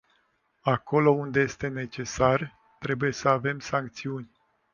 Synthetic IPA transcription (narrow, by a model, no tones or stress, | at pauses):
ako̞lo̞und̪e̞je̞st̪e̞ne̞t͡ʃe̞sar | t̪ɾe̞buje̞səave̞msaŋkt̪siunʲ